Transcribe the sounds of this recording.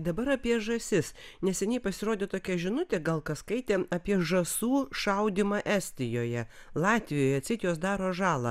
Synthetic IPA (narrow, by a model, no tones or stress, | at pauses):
d̪ɐbɐɾɐpʲiɛʒɐsʲɪsnʲɛsʲɛnʲɛɪpɐsʲɪɾoːd̪ʲeːt̪oːkʲɛʒʲɪnʊt̪ʲeɡɐlˠkɐskɐɪt̪ʲeːɐːpʲiɛʒɐsuːʃɐʊd̪ʲɪmɑʔæːsʲt̪ʲɪjoːjɛlˠɑːt̪ʲʋʲɪjoːjɛɐt̪ʲsʲɪt̪joːsd̪ɑːɾoːʒɑːlˠɐ̰